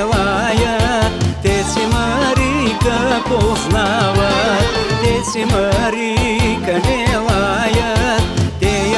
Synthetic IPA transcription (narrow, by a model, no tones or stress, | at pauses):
ʋajət̪t̪esiməɾikəposnaʋat̪esiməɾikəneʋajət̪t̪e